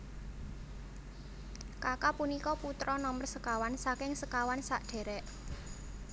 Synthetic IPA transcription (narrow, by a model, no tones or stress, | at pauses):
kakapunikɔput̪ɾɔnɔmərsəkawansakɪŋsəkawansaʔɖ̥ɛ̤ɾɛʔ